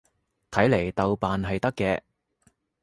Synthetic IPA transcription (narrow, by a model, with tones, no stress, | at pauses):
t̪ʰɐ˨˥jle˨˩jt̪ɐ˨wpaː˨nɦɐ˨jt̪ɐ˥kːɛː˧